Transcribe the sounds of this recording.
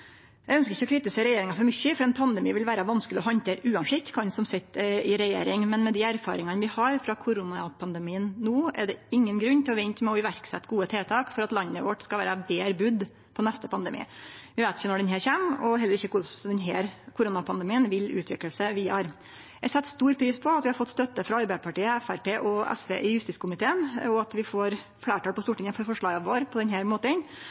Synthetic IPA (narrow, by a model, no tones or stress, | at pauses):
jæɪœnskəɾɪçəɔkʰɾɪt̪ɪseːɾɛjeːɾɪŋɑfɔɾmʏçəfɔɾɛnpʰɑnd̪ɛmiːʋɪlʋæːɾəʋɑnskəlɪɔɦɑnt̪ʰeːɾʉːɑnʂɪkt̪kʰɑnsɔmsɛt̪ːɪɾɛjḛːɾɪŋmɛnmɛd̪ɪæɾfɑ̰ːɾɪŋɑnəʋɪhɑɾfɾɑkʰʊɾʊnɑpʰɑnd̪ɛmiːənːuːɛ̰ɖɛɪŋːənɡɾʉnːt̪ʰɪlɔʋɛɪnt̪mɛɔɪʋæɾksɛ̰t̪ːɡuːət̪ʰeːt̪ʰɑːkfɔɾɑt̪lɑnːəʋɔʈskɑʋæːɾɑbeːɾbʉd̪ | pʰɔnɛst̪əpʰɑnd̪əmḭːʋɪʋeɪt̪ɪçənɔɖɛnɦæːɾçeːmɔɦɛlːəɾɪçːəkʰʊʂd̪ɛnɦæːɾkʰʊɾʊnɑpʰɑnd̪əmiːənʋɪlʉ̰ːt̪ʰʋɪkləlsəʋiːɑɾ | jæsɛt̪ːst̪uːɾpʰɾiːspʰɔɑt̪ʋɪhɑɾfɔt̪ːst̪œt̪ːəfɾɑɑɾbæɪəpʰɑʈiːəæfæɾpeːʔɔɛ̰sʋḛːʔɪjʉst̪ɪt̪skʰʊmɪt̪ʰeːənɔɑt̪ʋɪfoːɾ | fɽæːʈʰɑːlpɔst̪uːʈɪŋːənfɔɾfɔʂɭɑːɡɑʋoːɾpʰɔd̪ɛnɦæːɾmoːt̪ən